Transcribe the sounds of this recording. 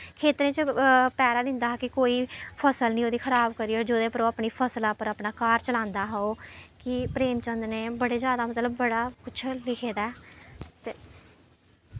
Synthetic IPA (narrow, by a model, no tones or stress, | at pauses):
kʰeːt̪ɾẽːt͡ʃpɛːɾaːd̪ɪ̃nd̪aːkɪkoːiːpʰəsəlnĩːoːd̪iːkʰəɾaːbkəɾiːɔːɾd͡ʒoːd̪eːpəɾoːapniːpʰəsəlaːpəɾəpnaːkaːɾt͡ʃəlãːnd̪aːɦaoːkɪpɾeːmt͡ʃənd̪neːbəɽeːzjaːd̪aːmət̪ləbːəɽaːkʊt͡ʃʰlɪkʰeːd̪aɛːt̪eː